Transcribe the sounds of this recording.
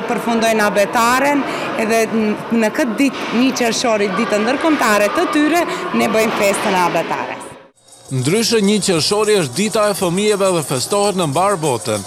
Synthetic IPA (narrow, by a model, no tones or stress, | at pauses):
pəɾfund̪ɔjnabɛt̪aɾɛn | ɛðɛnəkət̪̚d̪it̪ɲət͡ɕəɾʃɔɾid̪it̪and̪əɾkɔmt̪aɾɛt̪ət̪yɾɛnɛbəjmfɛst̪ənabɛt̪a̰ɾɛ̰s | nd̪ɾyʃəɲət͡ɕəʃɔɾiəʃ̬̚d̪it̪aɛfəmiɛvɛðɛfɛst̪ɔhɛt̪nəmbaɾbɔt̪ən